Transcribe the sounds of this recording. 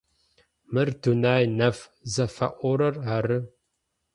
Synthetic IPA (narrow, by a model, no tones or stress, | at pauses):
mɨrdunaːjnɐfzɐfɐ̰ʔʷɔɾɐraɾɨ